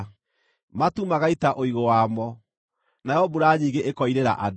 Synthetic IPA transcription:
matumaɣaitaʔoiɣowamɔ | najɔbuɾaɲiːŋɡeʔekɔiɾeɾa̰ʔad

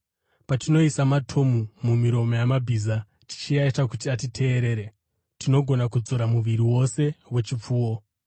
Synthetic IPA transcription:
patino̞isamatʰo̞mumumiɾo̞mo̞jamabʱiːza | ti̥t͡ʃiaitakutiatitʰe̞ːɾe̞ːɾe | tino̞ɡʱo̞nakud͡zo̞ɾamuʋiɾiwo̞se̞we̞t͡ʃip͡fuːwo̞

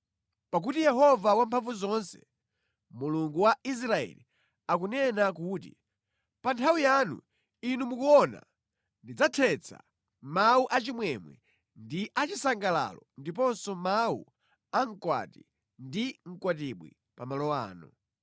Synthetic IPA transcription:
pak̬utijɛɦɔvawampʰaɱvuzɔnsɛ | muluŋɡuwais̬ɾaɛ̰li | ak̬unɛnakuːtḭ | pantʰawijanṵ | inumukuɔna̰ | ndid͡zatʰɛt͡sʰa̰ | mauʔat͡ʃimwɛmwɛ̰ | ndiʔat͡ʃisaŋɡala̰lɔndip̬ɔnsɔmau | aŋ̩kwa̰ti | ndiŋ̩kwat̬iɓwḭ | pamalɔa̰ːnu

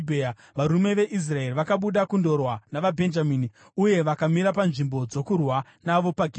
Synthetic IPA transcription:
bʱea | ʋaɾume̞ʋe̞ʔis̬raeriʋakaɓuɗakundo̞rwanaʋabʱe̞nd͡ʒamini | uje̞ʋakamiɾapanʐimbo̞d͡zo̞kurwanaʋo̞paɡʱ

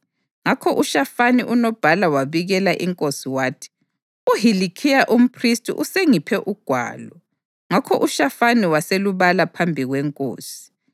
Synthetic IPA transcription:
ŋakʰɔʔuʃafaniʔunɔb̥ʱalawaβiɣɛlaʔiŋkʼosiwaːtʰi̥ | uɦilikʰijaʔum̩pʰristʼṵʔuseŋipʰɛʔuɡ̥ʱwa̰ːlɔ | ŋakʰɔʔuʃafaniwaseluβalapʰambʱiɣwɛŋkʼo̰ːsi̥

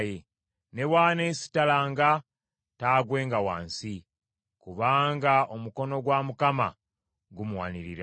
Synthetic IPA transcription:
je | ne̞waːne̞ːsi̥talaːŋɡa | taːɡwe̞ːŋɡawa̰ːnsi | kuβaːŋɡao̞muko̞no̞ɡwamukama̰ | ɡumuwa̰niɾiɾa

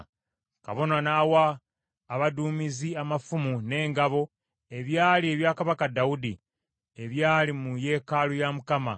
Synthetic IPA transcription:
ka̰βo̞nanaːwaː | βaduːmiziamafumune̞ːŋɡaβo̞ | e̞βjaːlie̞βjaːkaβakadaudi | e̞βjaːlimuje̞ːkaːlujamukama̰

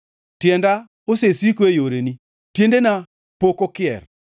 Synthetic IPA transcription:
tjɛnda | osesikoejoɾeni | tjendena | pokokɪɛ̰r

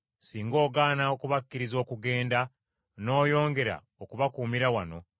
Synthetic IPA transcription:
siːŋɡo̞ːɡaːnaokuβakːiɾizo̞ːkuɡe̞ːnda | no̞ːjo̞ːŋɡe̞ɾa̰ | okuβakuːmiɾawano̞

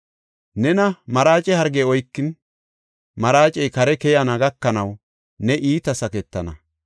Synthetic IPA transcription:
nɛnɐmɐɾaːt͡ʃʼɛhɐɾɡɛɔjkːɪn | mɐɾaːt͡ʃʼɛjkɐɾɛkɛjanɐɡɐkːɐnɐw | nɛʔiːt̪ɐsɐkɛt̪ːɐnɐ̰

